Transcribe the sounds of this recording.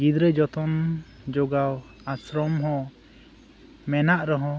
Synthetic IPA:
ɡid̪ɾəd͡ʒɔt̪ɔn | d͡ʒoɡaw | asɾɔmɦɔ̃ | mɛnaʔɾɔɦɔ̃

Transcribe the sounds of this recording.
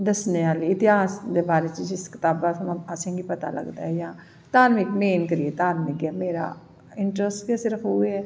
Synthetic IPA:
d̪ɐsneaːliɪt̪ɪɦaːsd̪ebaːɾet͡ʃid͡ʒɪskɪ̥t̪aːbat̪ɐmasẽŋɡipɐt̪a̰lɐ̰ɡt̪a̰ɦɛjã | t̪aːɾmɪkmeːnkɐɾiet̪aːɾmɪkɛːmeːɾa̰ | ɪ̃ɳʈɾəsʈkɛːsɪɾɐkʰoɡeɦɛː

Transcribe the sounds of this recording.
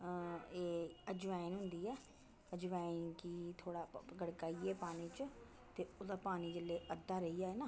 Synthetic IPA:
eːəd͡ʒʋaːinɦʊ̃nd̪iːɛː | əd͡ʒʋaːinkiːt̪ʰoːɽaːɡəɽkaːiːɛːpaːniːt͡ʃ | t̪eʊd̪aːpaːniːd͡ʒəlːeːʔəd̪ːaːɾəijaːɦɛːnaː

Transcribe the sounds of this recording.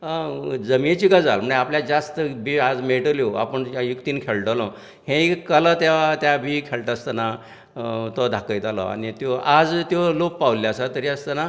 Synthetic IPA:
d͡zəmet͡ɕiːɡəd͡zalm̤əɳeapljad͡zast̪əbʱiad͡zmeʈəljoa̰pəɳjukt̪iːnkʰeɭʈəlɔ̃ | hẽkələt̪eʋat̪jabʱikʰeɭʈəst̪əna | t̪ɔd̪ʱakəjt̪alɔ̰a̰ñit̪joʔad͡zt̪jolopːaʋljasat̪əɾiast̪əna

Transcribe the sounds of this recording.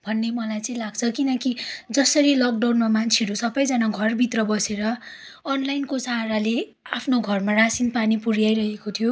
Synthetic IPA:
bʱʌnːemʌlajt͡sʌĩlaɡt͡sʰʌkinʌkid͡zʌsʌɾilʌk̚ɖawnmamant͡sʰeɾosʌbʌjd͡zʌnaɡʱʌrbʱit̪rʌbʌseɾʌ | ʌnlajnkosaɾale | apʰnoɡʱʌrmarasinpanipurjajɾʌɦekot̪ʰijo

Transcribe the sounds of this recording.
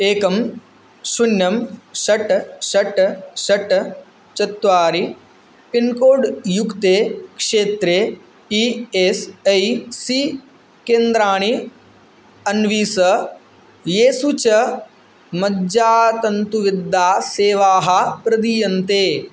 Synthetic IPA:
eːkɐm | sunjɐmʃɐʈʃɐʈʃɐʈ | t͡ʃɐt̪ːʋaːɾi | pinkoːɽjukt̪eːkʂeːt̪ɾe | iesɐjsi | keːnd̪ɾaːɳ̃i | ɐnʋiːsɐ | jeːsut͡ʃɐ | mɐd͡ʒaːt̪ɐnt̪uʋɪd̪ːaːseːʋaːɦɐpɾɐd̪iːjɐnt̪eː

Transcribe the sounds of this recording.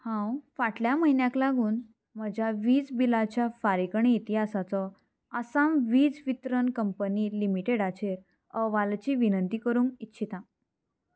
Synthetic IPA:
hãwfaʈljaməɦinjãklaɡuːn | m̤əd͡ʑʱjaʋiːd͡zbilat͡ɕjafaɾikɳeit̪iɦasat͡sɔ | asamʋiːd͡zʋit̪ɾənkəmpəniːlimiʈeɽat͡ɕeɾ | əʋalt͡ɕiːʋinənt̪ikəɾũːŋkitːɕʰit̪ã

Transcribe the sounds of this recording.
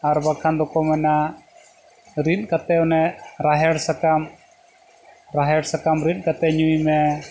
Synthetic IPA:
aɾbakʰand̪ɔkɔmɛna | ɾin̚kat̪ɛɔnɛɾaɦɛɽsakam | ɾaɦɛɽsakamɾin̚ˀkat̪ɛɲuimɛ

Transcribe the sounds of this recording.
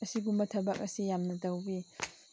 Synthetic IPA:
ɐsiɡumbɐtʰɐbɐk̚ɐsijamnɐdɐwbi

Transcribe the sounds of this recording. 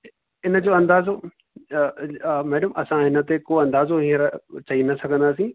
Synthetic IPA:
ɪnə̆d͡ʑoːɐ̃nd̪aːzo | mɛːɖəmɐsãɦɪnə̆t̪ekoːɐ̃nd̪aːzoɦĩːə̃ɾt͡ɕɐinɐsɐɡʱə̃nd̪aːsĩ

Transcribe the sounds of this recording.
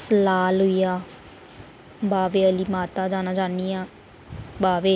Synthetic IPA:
səlaːlɦʊiːjaː | baːʋeːəliːmaːt̪aːd͡ʒaːnaːd͡ʒaːniːãː | baːʋeː

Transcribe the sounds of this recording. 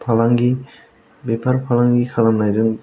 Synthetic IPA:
pʰalaŋɡi | bepaɾpʰalaŋɡikʰalamnajdɯŋ

